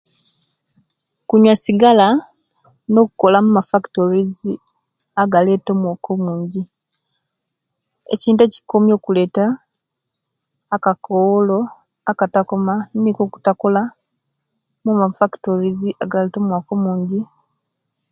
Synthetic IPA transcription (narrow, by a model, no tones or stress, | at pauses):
kuɲwasiɡala | no̞ku̥ko̞lamumafaktoɾizi | aɡale̞ːto̞ːmwako̞muːɲɟi | ḛciːnteci̥komjo̞ːkule̞ːta | kakolo̞ | akatakomanikoku̥tako̞la | mumafaktoɾiziaɡaleto̞mwaːko̞muːɲɟi